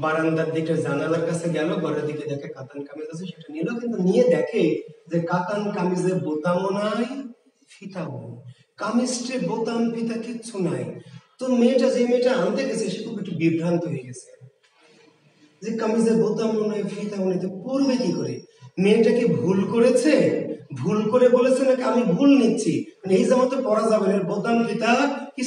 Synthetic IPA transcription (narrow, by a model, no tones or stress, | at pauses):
baɾand̪aɾd̪ekʈad͡ʑanalaɾkat͡sʰeɡɛloɡɔɾeɾd̪iked̪ɛkʰekat̪ankamizat͡sʰeʃeʈanilokint̪unijed̪ɛkʰezekat̪ankamizeɾbot̪amonaj | fʰit̪aɦoni | kamisʈebot̪anpʰit̪akitːʃʰunajt̪omeʈad͡ʑemeʈaant̪eɡet͡ɕʰeʃekʰubek̚ʈubibʱɾant̪oɦeɡet͡ɕʰe̥ | d͡ʑekamizeɾbot̪amonajfʰit̪abonit̪opuɾbed̪ikoɾe | meʈakebʱulkoɾet͡ɕʰebʱulkoɾebolet͡ɕʰenakeamibʱulnitːɕʰimaneejzamat̪epɔɾad͡ʑabeneɾbot̪anpʰit̪aki